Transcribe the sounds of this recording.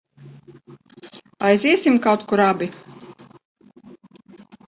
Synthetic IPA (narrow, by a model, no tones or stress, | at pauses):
ajziːsimkawt̪kuɾabi